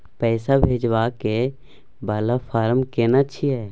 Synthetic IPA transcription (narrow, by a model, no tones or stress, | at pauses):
pɛːsabʱeːd͡ʒʋake | balapʰaːɾmkeːnat͡ʃʰiɦɛː